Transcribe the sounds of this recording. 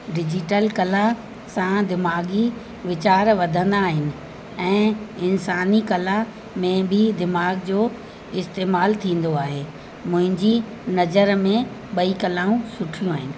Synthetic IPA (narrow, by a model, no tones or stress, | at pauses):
ɖɪd͡ʑɪʈəlkɐla | sãd̪ɪmaːɡi | ʋɪt͡ɕaːɾʋɐd̪ʱə̃nd̪aːɦɪnɪ̆ | ɛ̃ːɪnsaːnikɐla | mẽbʱɪd̪ɪmaːɡd͡ʑoː | ɪst̪eːmaːlt̪ʰĩːn̆d̪oaːɦeː | mʊ̃ɦɪ̃ɲd͡ʑi | nɐzəɾmẽ | ɓɐikɐlaːũsʊʈʰijũaːɦɪnɪ̆